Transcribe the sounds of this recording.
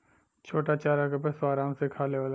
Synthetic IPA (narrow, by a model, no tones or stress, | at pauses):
t͡ʃʰoːʈat͡ʃaːɾakəpesaːɾãːmsekʰaːleʋaːla